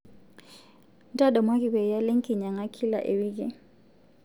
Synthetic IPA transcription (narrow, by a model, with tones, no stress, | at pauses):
ntʼa˦dɔ˨mwa˦k̬ʼi˨ɓɛ˨ja˦le˦ŋkʼi˨ɲa˨ŋa˦kʰi˦la̰˨ʔe˨wiː˦k̬ʼɛ˨